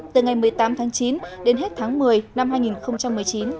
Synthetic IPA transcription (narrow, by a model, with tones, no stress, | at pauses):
t̪ɨ˨˩ŋa˨˩jmɨ˨˩əjt̪aː˨˦mt̪ʰaː˨˦ŋt͡ɕi˨˦nɗe˨˦nɦe˦˥t̚t̪ʰaː˨˦ŋmɨ˨˩əjna˧mhaː˧jŋi˨˩nxə˧wŋ͡mt͡ɕa˧mːɨ˨˩əjt͡ɕi˨˦n